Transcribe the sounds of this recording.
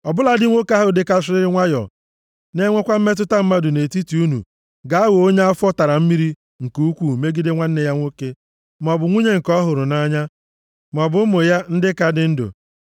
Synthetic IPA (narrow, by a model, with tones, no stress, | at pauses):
ɔ˨bʊ˦la˨dɪ˦ŋʷo˦ka˦ɦʊ˦dɪ˦ka˦sɪ˦ɾɪ˦ɾɪ˦ŋʷa˦jɔ̰˨ | ne˦ŋʷe˦kʷa˦m̩˦me˦t̬ʊ˦ta˦m̩˦ma˦dʊ˨ne˨ti˦ti˨u˦nṵ˨ | ɡa˨a˦wo˨o˦ɲ˦a˦fɔ˦ta˨ɾa˨m̩˦mi˦ɾi˦ | ŋ̩˨ku˨u˦kʷu˦˨me˦ɡi˦de˦ŋʷa˦n̩˦ne˨ja˦ŋʷo˦ke˦ | m˨ɔ˨bʊ˨ŋʷu˦ɲe˦ŋ̩˨kɔ˦ɦʊ˨ɾʊ˨na˦ɲa˦ | m˨ɔ˨bʊ˦mʊ˨ja˦n̩˦dɪ˦ka˦dɪ˦n̩˦do̰˨